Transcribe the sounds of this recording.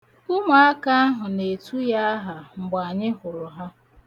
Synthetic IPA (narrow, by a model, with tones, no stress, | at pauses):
ʊ˦ma˨a˦ka˦a˦ɦʊ˨ne˨tu˦ja˦a˦ɦa˨m̩˨ɡ͡ba˨ɲɪ˦ɦʊ˨ɾʊ˨ɦa˦